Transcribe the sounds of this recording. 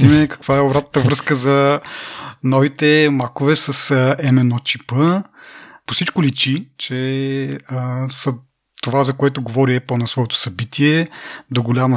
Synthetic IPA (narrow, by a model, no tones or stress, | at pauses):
imɛkɐ̥kvaɛobɾat̪nəvɾɤskəzɐ | nɔvit̪ɛmakʊvɛsɐsɛmɛnɔt͡ʃipə | posit͡ʃkʊlit͡ʃit͡ʃɛ | əsɐ | t̪ovazɐkoɛt̪ʊɡovɔɾiɛpəlˠnɐsvɔɛt̪ʊ̥sɐbit̪iɛd̪oɡolʲamɐ